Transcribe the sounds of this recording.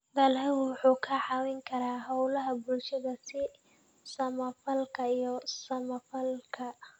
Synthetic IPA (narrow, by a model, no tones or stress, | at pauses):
d̪ɐlɛɣʊwʊħuːkʰɐʕɑːwɪŋkʰɐɾaːɦɔwlɐɦɐbʊlʃɐðɐsɪ | sɐmɐfɐlkʰɐijɞsɐmɐfɐlkʰɐ